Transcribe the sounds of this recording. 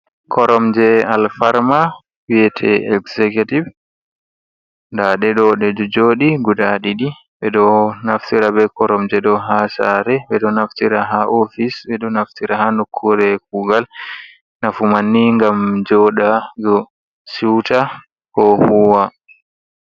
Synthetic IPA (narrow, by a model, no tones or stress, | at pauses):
kɔɾɔmd͡ʒɛalfaɾma | wiɛtʰɛ̰ɛksɛkativ | ndaɗɛɗɔɗɛd͡ʒɔd͡ʒoːɗiɡudaɗiɗi | bɛɗɔnaftiɾabɛkɔɾɔmd͡ʒɛɗɔɦasa̰ɾɛɓɛɗɔnaftiɾaɦaʔofisbɛɗɔnaftiɾahanukʰːuɾɛk̚uɡal | nafumanːiŋɡamd͡ʒɔɗaɡɔ | siwta | kɔhuwa